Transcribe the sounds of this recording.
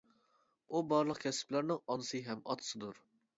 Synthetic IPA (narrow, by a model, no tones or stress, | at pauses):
ubɑɾlˠəqkʲʰɛsɪ̥plæɾnɪŋɑnɨsɨɦɛmɑ̰t̪ʰɨ̥sɨd̪uɾ